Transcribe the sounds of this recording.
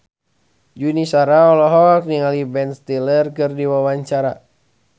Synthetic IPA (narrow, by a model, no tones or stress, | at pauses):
d͡ʒunisaɾaɔlɔɦɔk̚niŋalibɛnst̪ilərkɨrdiwawaɲt͡ʃaɾa